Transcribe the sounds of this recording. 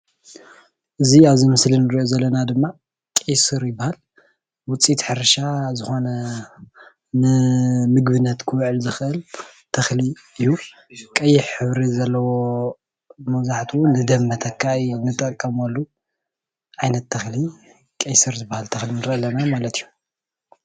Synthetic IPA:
ʔɨziaβzimɨslinɨɾiʔozɐlːɐnad̪ɨmːa | kʼejsɨɾjɪbːahal | wʊt͡sʼit̪ħɨɾɐʃazɨxo̞nɐ | nɨmɨɡbɨnːɐt̪kʰɨwʕɨlzɨxʔɨl | t̪ʰɐxli | ɨjːu | kʼɐjːɪħħɨβɾizɐlːɐwo | mɐβzaħt̪ʰuwnɨd̪ɐmːɐt̪ʰɐkʰːaɨjnɨt̪ʼɐkʼːɐmolːu | ʔajnɐt̪ʰːɐxli | kʼejsɨɾzɨbːahalt̪ʰɐxlinɨɾʔɐlːɐnamalɐt̪ʰijːu

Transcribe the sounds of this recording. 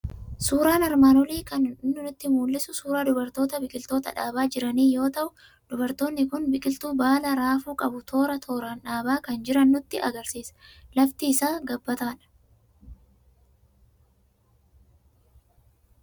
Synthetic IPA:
suːɾaːnɐɾmaːnɔliːkɐnɪnːʊnɪt̪ːɪmuːlːɪsʊsuːɾaːd̪ʊbɐɾt̪oːt̪ɐbɪkʼɪlt̪o̞ːt̪ɐ̰ᶑaːbaːd͡ʒɪɾɐniːjo̞ːt̪ɐʔʊ | d̪̥ʊbɐɾt̪o̞ːnːɪkʊnbɪkʼɪlt̪uːbaːlɐɾaːfuːkʼɐbʊt̪ʰo̞ːɾɐt̪ʰo̞ːɾanᶑaːbaːkɐnd͡ʒɪɾɐnːʊt̪ːɪʔɐɡɐɾsiːsɐ̥lɐft̪iːsaːɡɐbːɐt̪aːᶑɐ̥

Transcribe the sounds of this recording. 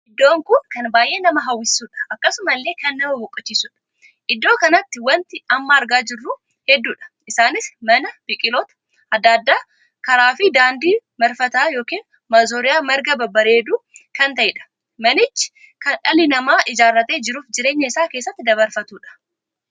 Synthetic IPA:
ʔɪd̪ːo̞ːŋkʊnkɐnbaːjʔe̞ːnɐmɐɦɐwːɪsːuːᶑɐ̥ɐkːɐsʊmɐlːe̞ːkɐnːɐmɐbɔkʼːɐt͡ʃːiːsʊᶑɐ̥ | ʔɪd̪ːo̞ːkɐnɐt̪ːɪwɐnt̪ɪɐmːɐːɾɡaːd͡ʒɪrːuː | hɛd̪ːuːᶑɐ̥ʔɪsaːnɪsmɐnɐb̥ɪkʼɪlɔt̪ɐ̥ | ʔɐd̪ːad̪ːaː | kɐɾaːfɪd̪aːnd̪iːmɐɾfɐt̪aːjo̞ːkiːn | maːzoːɾɪjaːmɐɾɡɐbɐbɐɾeːd̪uːkɐnt̪ɐʔɪᶑɐ̥ | mɐnɪt͡ʃːɪ̥ | kɐnᶑɐlɪnɐmaːʔɪd͡ʒaːrːɐt̪e̞ːd͡ʒɪɾuːfd͡ʒɪɾe̞ːɲːɐɪsaːke̞ːsːɐt̪ːɪd̪ɐβɐɾfɐt̪uːᶑɐ̥

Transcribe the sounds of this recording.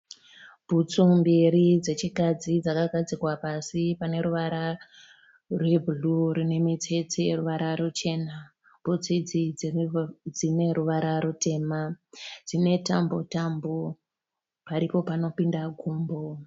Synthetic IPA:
b̥ʱut͡sumbiɾid͡ze̞t͡ʃikad͡zid͡zakaɡʱad͡zikwapasipane̞ɾuʋaɾa | rwe̞bʱuluɾine̞mit͡se̞t͡seruʋaɾaɾut͡ʃe̞na | b̥ʱut͡sid͡zi | d͡zine̞ɾuʋaɾaɾute̞ːmad͡zine̞tambo̞̰tambo | paɾipo̞pano̞pindaɡʱuːmbo̞

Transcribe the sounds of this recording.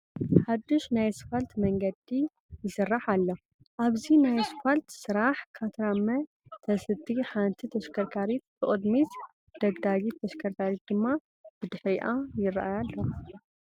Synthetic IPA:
ħad̪ːɨʃnajsfalt̪mɐŋɡɐd̪i | jɨsɨrːaħalːo | ʔaβzinajsɨfalt̪sɨɾaħkʰat̪ʰɾamɐ | t̪ʰɐsɨt̪ʰːiħant̪ʰit̪ʰɐʃkʰɐɾkʰaɾit̪̚b̥ɨʔʼɨd̪mit̪ | d̪̥ɐɡd̪aɡit̪ʰːɐʃkʰɐɾkʰaɾit̪̚d̪ɨmːa | b̥ɨd̪ɨħɾiʔajɪra̰ʔajalːo

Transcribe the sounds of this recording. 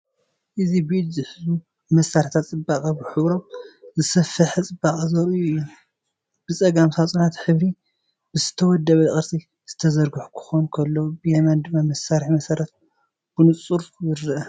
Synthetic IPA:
ʔɨzibɨɨd̪zɨħɨzu | mɐsːaɾħt̪ʰat̪t͡sʼɨbaχʼɐbɨħɨβɾomzɨsɐfɐħɨt͡sʼɨbaχʼizɐɾujuɨjːu | b̥ɨt͡sʼɐɡamsat͡sʼunat̪ħɨβɾi | bɨzɨt̪ʰɐwɔd̪ːɐβɐχʼɨɾsʼi | z̥ɨt̪ʰɐzɐɾɡɨħu̥kʰɨ̥xonkʰɐlːobɨjemand̪ɨmːamɐsːaɾħimɐsɐɾɐt̪̚ | b̥ɨnɨt͡sʼuɾzɨɾːɨʔɐ

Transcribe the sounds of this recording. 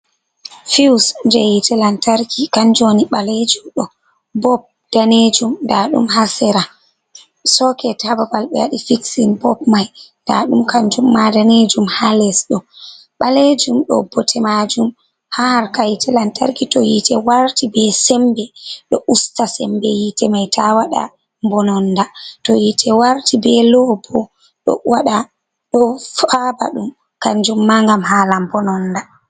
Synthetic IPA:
fiwsnd͡ʒɛjitɛlantaɾkikand͡ʒoniɓaled͡ʒumɗɔ | bɔp̚ | d̥aned͡ʒumndaɗṵmhasɛɾa | sɔkɛtababalɓɛ̰aɗifiksinbɔbmajnda̰ɗumkand͡ʒumːadaned͡ʒumhalɛsɗɔ | ɓaled͡ʒumɗɔ̰bɔtʰɛmad͡ʒum | haɾkajtʰɛlanta̰ɾkitɔjitɛwaɾtibɛsɛmbɛɗɔʔustasɛmbɛjitɛmajtʰawaɗa̰ | mbɔnɔndatɔjitʰɛwaɾtibɛlɔbɔ | ɗɔ̰waɗa | ɗɔfaba̰ɗum | kaɲd͡ʒumːaŋɡamhalambɔnɔnda

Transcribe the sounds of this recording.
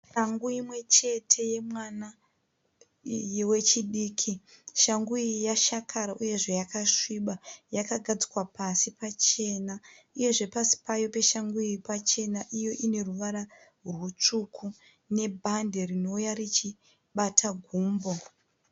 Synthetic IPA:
ʃaŋɡuimwe̞t͡ʃe̞tʰe̞je̞mwana | jewe̞t͡ʃiɗiːkʰiʃaŋɡuijaʃakʰaɾaʔuje̞ʐe̞jakaʂiɓajakaɡʱad͡zi̥kwapasipat͡ʃe̞na | uje̞ʐe̞pasi̥pajo̞pe̞ʃaŋɡuiipat͡ʃe̞naʔijo̞ʔine̞ruʋaɾa | rrwut͡ʂukʰu | ne̞bʱande̞rino̞ujarit͡ʃi | ɓatʰaɡʱuːmbo̞

